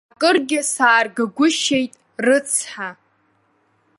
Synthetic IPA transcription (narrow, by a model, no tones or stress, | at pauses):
akʼɨrɡʲɪsaːrɡaɡʷʊʃe̞jtʼ | rɨt͡sʰħa